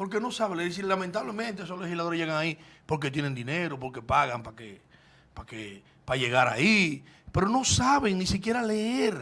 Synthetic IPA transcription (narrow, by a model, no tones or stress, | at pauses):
poɾk̬eno̞saβeleɾes̬ilamẽnt̪aβle̞mẽnt̪eesosle̞hislaðoɾeʝe̞ɣaŋaipo̞ɾk̬e̞t̪̬je̞nend̪ineɾop̬o̞ɾke̞paɣampake | pake | paʝe̞ɣaɾa̰i | pe̞ɾo̞no̞saβe̞ŋnĩsikje̞ɾaleeɾ